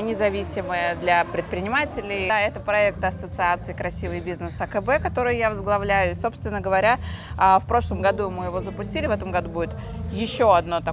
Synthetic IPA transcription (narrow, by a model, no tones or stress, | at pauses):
nʲɪzɐvʲisʲɪməjəd̪lʲɐpɾʲɪt̪̚pɾʲɪnʲɪmatʲɪlʲɪjɛt̪əpɾɐɛk̚t̪ɐsət̪sɨat̪sɨɪkɾɐsʲivɨjbʲiznəsɐkəbɛkɐt̪o̞ɾɨjjavəzɡlˠɐvlʲæjʊɪso̞pst̪vʲɪnːəɡəvɐɾʲafpɾo̞ʂlˠəmɡɐd̪umɨjɪvo̞zəpʊsʲtʲilʲɪvɛt̪əmɡɐd̪ubudʲɪt̪ | jɪɕːoɐd̪no̞t̪ɐ